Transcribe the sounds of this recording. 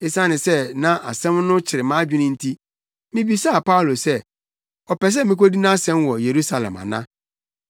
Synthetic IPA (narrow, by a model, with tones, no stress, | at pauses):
e˦sã˦nɪ̃˨sɛ˦nã˦ʔa˨sɛ̃˦mnʊ̃˦t͡ɕʰɪ˨ɾɪ˨mãː˦d͡ʑᶣɪ˦nɪ̃˦n̩˦tʰi˦ | mɪ̃˦bi˦sa˦a˨pʰa˦u˨lo˨sɛ˦˨ | ɔ˨pɛ˨s̬ɛ˦mɪ̃˦ko˦di˦nã˦sɛ̃˦mwɔ˨je˨ɾu˦sa˨lɛ̰̃˨ma̰˨nã̰˦